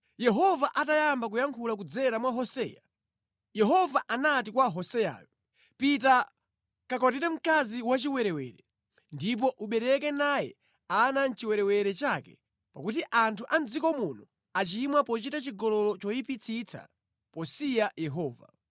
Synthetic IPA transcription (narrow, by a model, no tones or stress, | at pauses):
jɛɦɔvaʔatajambakujaŋkʰulak̬ud͡zɛɾamwaɦɔsɛ̰ja | jɛɦɔvaʔanatikwaɦɔsɛja̰ːjɔ | pita | kakɔtiɾɛm̩kaziwat͡ʃiwɛɾɛwɛ̰ɾɛ | ndip̬ɔʔuɓɛɾɛkɛnajɛ̰ | anan̩t͡ʃiwɛɾɛwɛɾɛt͡ʃakɛ̥̰ | pakut̬iʔantʰuʔand͡zikɔmunɔ | at͡ʃimwapɔt͡ʃitat͡ʃiɡɔlɔlɔt͡ʃɔjipit͡sʰit͡sʰa̰ | pɔsijajɛɦɔːva̰